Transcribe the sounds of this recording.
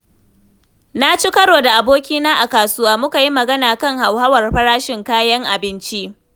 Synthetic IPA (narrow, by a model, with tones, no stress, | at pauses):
na˦t͡ʃi˦kɐ˦ɽoː˨da˨ʔa˨boː˦kʲiː˦naː˦ʔa˨kaː˨sʊ˦waː˦mʊ˦ka˨ji˦mɐ˨ɡɐ˦naː˨kɐ˦ŋha˨whɐ˦wɐ˨rɸɐ˦ɾaː˦ʃɪ˨ŋkaː˦jɐ˦ŋʔa˨bɪ˦nt͡ʃi˦ʔ